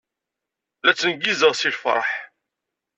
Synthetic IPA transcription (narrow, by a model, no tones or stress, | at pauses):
læt͡sːənɡizəʁsilfɾˤɑ̰ħ